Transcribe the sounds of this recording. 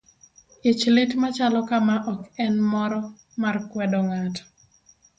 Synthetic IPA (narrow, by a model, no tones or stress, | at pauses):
it͡ʃlɪtmat͡ʃalɔkamaʔɔkɛnmɔɾɔ | markwɛdɔŋat